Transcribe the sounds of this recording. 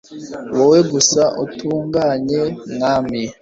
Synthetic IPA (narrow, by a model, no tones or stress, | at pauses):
wowe̞ɡusaʔutuːŋɡaɲe̞ŋami